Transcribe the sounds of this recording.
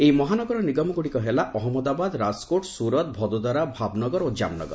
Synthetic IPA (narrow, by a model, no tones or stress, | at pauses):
ejmɔɦanɔɡɔɾɔniɡɔmɔɡuɽikɔɦelaʔɔɦɔmɔd̪abad̪ɾaskoʈsuɾɔt̪̚bʱɔd̪ɔd̪aɾabʱabnɔɡɔɾod͡ʒa̰mnɔ̰ɡɔ̰ɾ